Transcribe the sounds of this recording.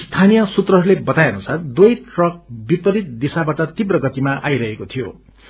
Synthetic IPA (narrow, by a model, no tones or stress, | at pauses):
st̪ʰanijʌsut̪rʌɦʌɾulebʌt̪ajʌnusard̪ujʈrʌk̚bipʌɾit̪̚d̪isabaʈʌt̪ibrʌɡʌt̪imaʔajɾʌɦekot̪ʰijo